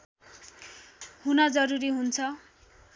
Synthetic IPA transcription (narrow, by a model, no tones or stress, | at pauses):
hunʌd͡zʌɾuɾiɦunt͡sʰʌ